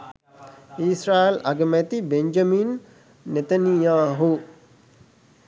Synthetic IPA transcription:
isɾaːelɐ̰ɡəmæt̪ibeɲd͡ʒɐmiːnː | et̪ɐnijaːɦu

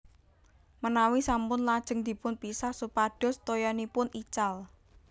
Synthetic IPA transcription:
mənawisampʊnlad̥ʒ̥ə̤ŋd̪̥i̤pʊnpisahsupaɖ̥ɔ̤st̪ojanipʊnit͡ʃal

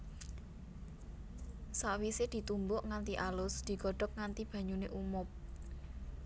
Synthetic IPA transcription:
saʔwised̪̥i̤t̪umbʊʔŋant̪iʔalʊsd̪̥i̤ɡ̥ɔ̤ɖ̥ɔ̤k̚ŋant̪ib̥ä̤ɲuneʔumʊp̚

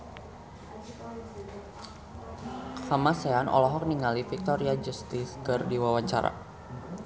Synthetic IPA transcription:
hamaseanʔɔ̰lɔɦɔk̚niŋalifik̚t̪ɔɾiad͡ʒust̪ɪskɨrdiwawaɲt͡ʃaɾa̰

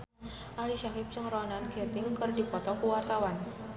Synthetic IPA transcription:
ʔaliʃaɦɪp̚t͡ʃɨŋrɔnanket̪ɪŋkɨrdipɔt̪ɔkuwart̪awan

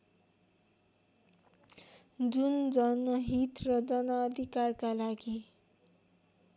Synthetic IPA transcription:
d͡zund͡zʌnmʌɦit̪rʌd͡zʌnʌːd̪ʱikarkalaɡi

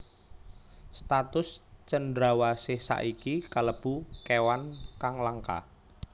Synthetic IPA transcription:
st̪at̪ʊst͡ʃəndɾawasehsa̰ʔikikaləb̥ṳkewankaŋlaŋka̰

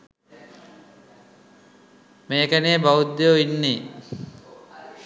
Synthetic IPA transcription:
meːkænebaud̪ejoinːe

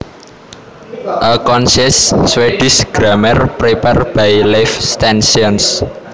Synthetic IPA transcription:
ʔəkɔnsɪssweɖ̥isɡ̥ɾamɛrpɾepɛrb̥ajlɛfst̪ɛnsiɔns

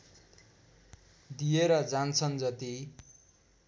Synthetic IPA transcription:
d̪ijeɾʌd͡zant͡sʰʌnd͡zʌt̪i

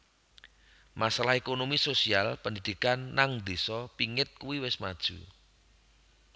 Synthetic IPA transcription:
masalahekonomisosialpənd̪id̪̥ikanːaŋd̪esɔpiŋɪt̪̚kuwiwɪsmad̥ʒ̥ṳ̰

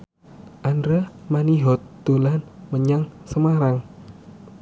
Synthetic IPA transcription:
ʔandɾamaniɦɔt̪ːolanməɲaŋsəmaɾaŋ

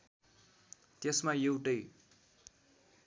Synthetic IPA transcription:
t̪jesmajewʈʌj

